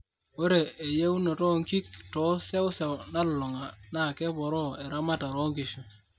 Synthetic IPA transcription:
o˦ɾe˨e˨je˦wu˦no˨tɔ˦ŋki˦k̚tɔ˨˦se˦wʊ˦se˨wna˦llʊ˨ŋa˨na˦˨kɛ˦pɔ˨ɾɔ˦e˨ɾa˦ma˦ta˨ɾo˦ŋki˨ʃu˨

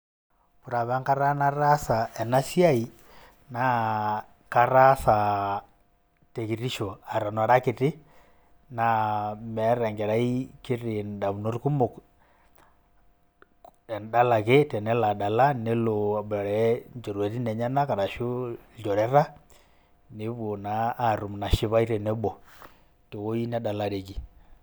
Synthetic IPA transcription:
pu˨ɾa˨βa˦ŋka˦ɾa˦na˦ɾa˦sa˨ɛ˨na˦si˦a˦i˨ | na˨˦ | ka˨ɾa˦sa˨ | te˨ki˨ɾi˦ʃo˨a˨ɾa˨nɔ˨ɾa˦kɪ˨tɪ˦ | na˨mɛ˨˦ɾɛ˨ŋɡɛ˨ɾa˦i˦ki˦ɾi˨nda˨βu˨no˦rku˦mu˨k | ɛ˨nda˦la˨kɛ˦tɛ˨nɛ˦la˨da˨la˦ne˦lo˨bɔ˨ɾɛ˦nd͡ʒɔ˨ɾwɛ˨ti˦nɛ˨ɲa˦na˦ka˨ɾa˨ʃu˦d͡ʒɔ˨ɾɛ˦ɾa˦ | ne˨˦βo˨naː˦˨ɾu˨mna˨ʃi˦βa˦i˦ɾɛ˨nɛ˦bɔ˨ | to˨ko˦i˦nɛ˦da˨la˨ɾe˨ki˨

